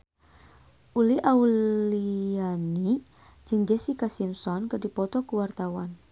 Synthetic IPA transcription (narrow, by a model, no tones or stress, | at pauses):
ʔuliʔauliani | d͡ʒɨŋd͡ʒɛsikasimsɔnkərdipɔt̪ɔkuwart̪awan